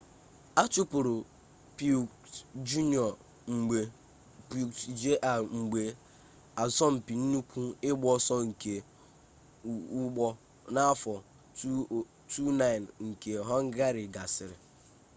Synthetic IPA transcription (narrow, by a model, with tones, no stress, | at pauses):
a˦t͡ʃu˦pʊ˨ɾʊ˨ | pu˨ | d͡ʒu˦ni˦ɔ˨ | ŋ͡m̩˨ɡ͡be˨ | pu˨d͡ʒe˦ʔa˨ŋ͡m̩˨ɡ͡be˨ | a˨zɔ˦m̩˨pi˨n̩˦nu˦kʷu˦ɪ˦ɡ͡bɔ˦sɔ˦ŋ̩˨ke˨ | u˦ɡ͡bɔ˦ | na˦fɔ˨˦˨ | tu˦na˦ɪ˨nŋ̩˨ke˨ɦɔ˦ŋ̩˦ɡa˦ɾi˨ɡa˨sɪ˨ɾɪ˨